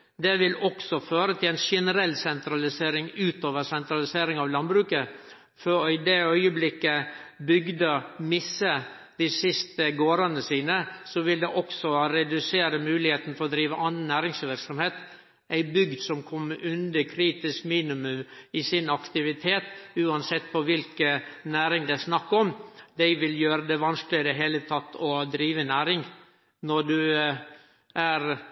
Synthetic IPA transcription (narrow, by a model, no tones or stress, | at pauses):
d̪ɛʋɪlɔksɔføːɾət̪ʰɪlæɪnʃɛnəɾɛlːsɛnt̪ɾɑlɪseːɾɪŋʉːt̪oːʋəɾsɛnt̪ɾɑlɪseːɾɪŋɑʋlɑnbɾʉːkə | fɔɾɪd̪ɛœʏəblɪkːəbʏɡd̪əmɪsːə | d̪̥ɪsɪst̪əɡoːɾənəsiːnəsɔʋɪld̪ɛʔɔksɔɾɛd̪ʉseːɾəmʉːlɪheːt̪n̩fɔɾɔd̪ɾiːʋəʔɑnːnæːɾɪŋsʋɪɾksɔmheːt̪ | æɪbʏɡd̪sɔmkʰɔmːəɾʔʉnd̪əkʰɾiːt̪ɪskmiːnɪmʉmɪsɪnɑkt̪ɪʋɪt̪ʰeːt̪ʉːɑnsɛt̪ːpʰɔʋɪlkənæːɾɪŋd̪ɛæsnɑkːɔmd̪æɪʋɪljøːɾəd̪ɛʋɑnsklɪɪd̪ɛɦeːlət̪ʰɑt̪ːɔd̪ɾiːʋənæːɾɪŋ | nɔɖ̪ʉ | ʔæɾ